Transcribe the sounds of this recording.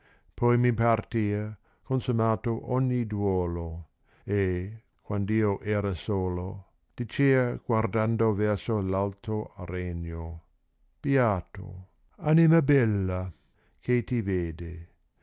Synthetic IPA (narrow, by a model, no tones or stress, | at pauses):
pʰɔjmipart̪iːa | konsumaːt̪oʔɔɲːid̪wɔːlo | e | kwand̪iːoʔɛːɾasoːlo | d̪̥it͡ʃeːɐɡ̥ward̪and̪ovɛrsolalt̪ɾoreɲːo | pjaːt̪o̰ | animabɛlːa | kʰet̪iveːd̪e